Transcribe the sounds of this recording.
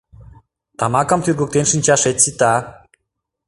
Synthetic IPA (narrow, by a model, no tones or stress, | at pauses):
t̪ɑmɑkə̆mt̪yrɣok̚t̪enʃɨnʲt͡ɕɑʃet̪sit̪ɑ